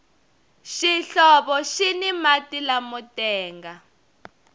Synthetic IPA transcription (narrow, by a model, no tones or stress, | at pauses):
ʃiɬɔβɔʃinimatilamutɛːŋɡa